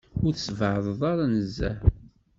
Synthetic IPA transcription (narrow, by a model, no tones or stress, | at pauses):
ʊɾθsvʕðˤðˤɑɾˤɑnəzːæ̰